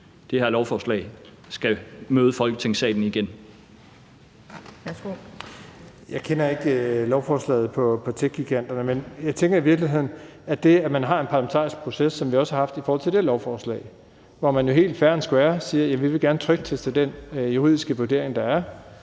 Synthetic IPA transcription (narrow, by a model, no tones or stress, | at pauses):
d̥ehæɐ̰lɒʊfɒslɛ̰ɪ | sɡ̥æmøːð̞ˠəfɒ̽lɡ̥ət͡sʰe̝ŋsɛ̰ːd̥n̩iɡ̥en | sɡo | jɑ̈ɪkʰenɐe̝ɡ̥lɒʊfɒːslɛ̰ːð̩ˠpʰɒ̽pʰɒ̽t͡sʰeɡ̥ɡ̥iɡ̥æn̰d̥ɐnəmenjɑ̈ɪt͡sʰeŋɡ̥ɐiʋiɐɡ̥liɦe̝ð̰ˠn̩æd̥e̝æmænɦɑ̈e̝npʰɑ̈lɐment͡sʰɑ̰̈ːisɡ̥̚pʰʁo̝sesːɒ̽mʋiɒ̽sə̥hɑ̈hɑ̈fd̥ifɔːhɒ̽l̰t͡sʰe̝ld̥elɒʊfɒːslɛ̰ːɪ | ʋɒmænjo̝ɦe̝̰ːld̥fæɐn̩sɡ̥uʋæːɐsiːɐjæʋiʋe̝ɡ̥æɐnət͡sʰʁœɡ̥̚t͡sʰesd̥ed̥enjuʁḭðˠisɡ̥əʋuɐd̥e̝̰ɐ̰eŋd̥ɑ̈æɐ